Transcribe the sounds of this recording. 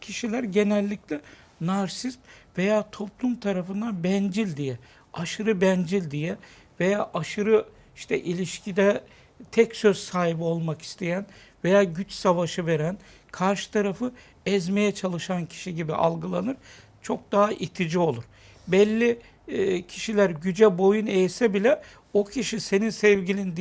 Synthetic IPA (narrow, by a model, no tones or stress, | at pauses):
cʰiʃilʲæɾɟe̞nɛlʲːiclʲɛ | naɾsist̪ve̞jaːt̪ʰo̞plˠumt̪ʰaɾafɯnd̪anbɛnd͡ʒilʲd̪ijɛ | aʃɯɾɯbɛnd͡ʒilʲd̪ijɛ | ve̞jaːʔaʃɯɾɯ | iʃt̪ʰɛʔilʲiʃcʰid̪ɛ | t̪ʰɛcsøz̥saːɦibio̞lˠmaki̥st̪ʰe̞jænve̞jaːɟyt͡ʃsavaʃɯve̞ɾæn | kʰaɾʃɯ̥t̪ʰaɾafɯ | ɛzme̞jɛt͡ʃʰalˠɯʃancʰi̥ʃiɟibiʔa̰lˠɡɯlˠanɯɾ̥ | t͡ʃʰo̞k̚d̪aɦaʔit̪ʰid͡ʒio̞lˠuɾ̥ | bɛlʲːi | cʰi̥ʃilʲæɾɟyd͡ʒɛbo̞junejsɛbilʲɛ | o̞cʰiʃise̞ninsɛvɟilʲind̪